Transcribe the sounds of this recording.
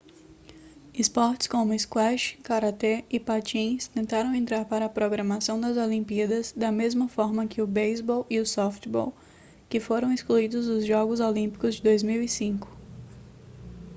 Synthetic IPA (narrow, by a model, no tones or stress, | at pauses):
ɪspɔɾt͡ʃɪ̥skõmʊɪskwɛʃkaɾat̪eɪpat͡ʃĩst̪ẽnt̪aɾɐ̃w̃ẽnt̪ɾaɾpaɾɐːpɾoɡɾɐmasɐ̃w̃d̪ɐzolĩmpiɐd̪ɐzd̪ɐmezmɐfɔɾmɐkʰɪʊbejzbɔwiʊsɔft͡ʃbɔ̰w | kɪfoɾɐ̃w̃ɪskluid̪ʊzʊzʒɔɡʊzolĩmpi̥kʊzd͡ʒɪd̪ojzmiwisĩkʊ̥